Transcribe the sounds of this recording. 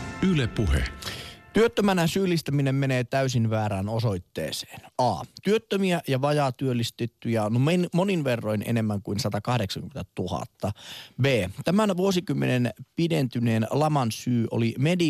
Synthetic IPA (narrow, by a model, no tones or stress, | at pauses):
ylepuhḛt̪yøt̪ːømænæsyːlːist̪æminemmeneːt̪æysinʋæːɾæːnoso̞it̪ːḛːse̥ːnɑ̰ːt̪yøt̪ːømiæʔjɑʋɑjɑːt̪yølːist̪et̪ːyjænmenmoninʋerːo̞inḛne̞mːæŋkuinsɑt̪ɑkɑhdeksɑŋkyment̪æt̪uhɑ̰t̪ːɑbeːt̪æmænʋuosikymːenenpident̪yneːnlɑmɑnsyːʔo̰limedi